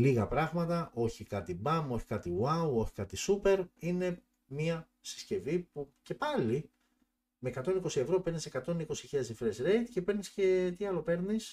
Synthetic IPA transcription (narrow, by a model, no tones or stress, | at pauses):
liɣɐpɾɐɣmɐt̪ɐʔo̞çikɐt̪ibɐmo̞çi̥kɐt̪iwɐuoçi̥kɐt̪isupe̞ɾine̞ | miɐ | si̥sce̞vipuce̞pɐli | meːkɐt̪o̞niko̞sie̞vɾo̞pe̞ɾnisekɐt̪o̞niko̞siçiʎɐzðifɾesɾe̞jt̪cepe̞ɾnisce̞t̪iɐlo̞pe̞ɾnis